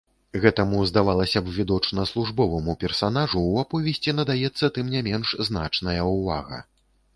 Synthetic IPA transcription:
ɣɛt̪ɐmuzd̪avalˠɐsʲɐbvʲid̪ɔt͡ʂnɐslˠuʐbɔvɐmupʲɛrsanaʐuːapɔvʲɛsʲt͡sʲinɐd̪ajɛt̪sːɐt̪ɨmnʲamʲɛnʂzna̰t͡ʂnɐjɐuva̰ɣɐ̰

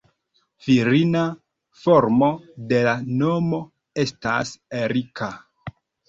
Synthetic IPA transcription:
viɾina | foɾmo̞de̞lano̞mo̞ | e̞sta̰seɾika

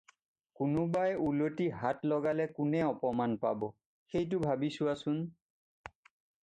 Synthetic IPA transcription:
kʊnʊbajulotiɦatlɔɡalɛkʊnɛɔpɔmanpabɔ | xejt̬ʊbʱabisʊwasʊn

